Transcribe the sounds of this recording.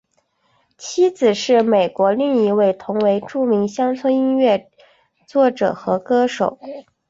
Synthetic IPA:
t͡ɕʰi˥t͡sɹ̩˨˩ʂɻ̩˥˩me˨˩ɪkwɔ˧˥li˥˩ŋi˧˥we˥˩ɪt̪ʰʊ˧˥ŋwe˧˥ɪʈ͡ʂu˥˩mi˧˥ŋɕjɑ˥ŋt͡sʰwə˥ni˥nɥɛ˥˧ | t͡swɔ˥˩ʈ͡ʂɤ̰˨˩xɤ˧˥kɤ˥ʂo̰˨˩˦ʊ

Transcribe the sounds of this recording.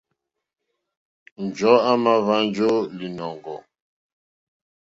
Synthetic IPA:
n˨d͡ʒɔ˨˦a˦ma˦va˦n˦d͡ʒo˦li˨nɔ˨ŋɡɔ˨

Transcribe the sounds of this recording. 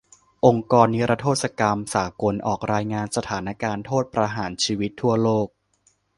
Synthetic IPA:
ʔo˧ŋkɔː˧nːi˦˥ɾʔa˧t̪ʰoː˥˩t̪sa˧ka˧msaː˩˦ko˧nʔɔː˨˩k̚ɾaː˧jŋaː˧nsa˧t̪ʰaː˩˦na˧˥kaː˧nt̪ʰoː˥˩t̪̚pɾa˧ɦaː˩˦nt͡ɕʰiː˧wi˦˥t̪ʰːu˥˩ɐloː˥˩k̚

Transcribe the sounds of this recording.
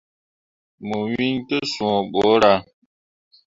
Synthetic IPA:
mo˨wi˦ŋtə˦sɔ̃˨ɓo˨˦ɾa˦

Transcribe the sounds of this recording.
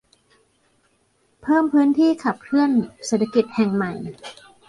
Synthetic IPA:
pʰɤː˥˩mpʰɯː˦˥nt̪ʰiː˥˩kʰa˨˩p̚kʰɯ˥˩ənseː˨˩t̪ʰa˧ki˨˩t̪̚hɛ˨˩ŋma˨˩j

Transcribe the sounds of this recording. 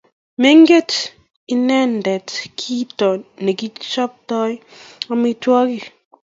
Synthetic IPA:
me˦ŋɡe˦t | i˦nɛ˦˨ndɛ˨tkʰi˦tɔ˨ne˨ki˦t͡ʃɔ˦p̚tɔ˦j | ɔ˦mi˦twɔ˦ki˦˨

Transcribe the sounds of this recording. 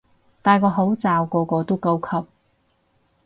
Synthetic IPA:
t̪aː˨˧jkɔː˧ɦo˨˥wt͡saː˨wkɔː˧kɔː˧t̪o˥kɐ˧wkʰɐ˨p̚

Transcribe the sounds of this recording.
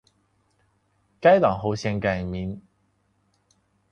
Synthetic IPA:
ka˥jt̪ɑ˨˩ŋɦo˧˥wɕjɛ˧˥nka˨˩jmi˨˥n

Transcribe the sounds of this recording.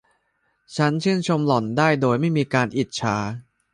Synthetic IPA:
t͡ɕʰa˦˥nt͡ɕʰɯː˥˩nt͡ɕʰo˧mlɔ˨˩ndaː˥˩jdoː˧jma˥˩jmiː˧kaː˧nʔi˨˩t̪̚t͡ɕʰaː˦˥

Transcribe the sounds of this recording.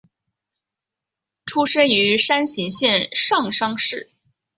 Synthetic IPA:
ʈ͡ʂʰu˥ʂə˥ɪy˧˥ʂa˥nɕi˧˥ŋɕjɛ˥˧nʂɑ˥˩ŋʂɑ˥ŋʂɻ̩˥˩

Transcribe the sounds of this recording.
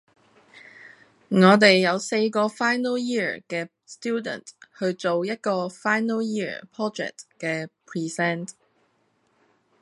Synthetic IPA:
ŋɔː˨˧t̪e˨jːɐ˨˧wse˧jkɔː˧faː˥jnə˥wjiː˥kɛː˧ | st̪juː˥də̰˨˩nthɵ˧ɥt͡so˨wjɐ˥t̚kɔː˧faː˥jnɐ˥wjiː˥pʰɔː˥t͡ʃɛ̰˨tkɛː˧pʰɹiː˨sɛː˥nt

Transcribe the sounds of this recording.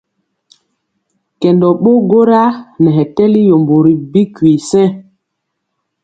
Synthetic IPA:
kɛ˨ndɔ˨ɓo˦ɡo˦ɾa˦nɛ˨hɛ˨tɛ˦li˦jo˨mbo˨ɾi˨bi˦kwi˨sɛ˦

